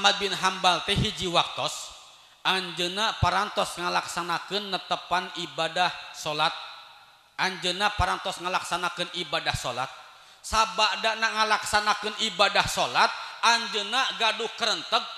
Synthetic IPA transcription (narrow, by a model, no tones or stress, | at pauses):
mat̪̚binɦambalt̪ɛɦid͡ʒiwak̚t̪ɔs | ʔaɲd͡ʒənapaɾant̪ɔsŋəlaksanakɨnːət̪əpanibadahsolat̪̚ | ʔaɲd͡ʒənapaɾant̪ɔsŋəlaksanakɨnibadahsola̰t̪̚ | sabaʔdaʔnaŋəlaksanakɨnibadahsolat̪̚aɲd͡ʒənaɡaduhkəɾənt̪əɡ̚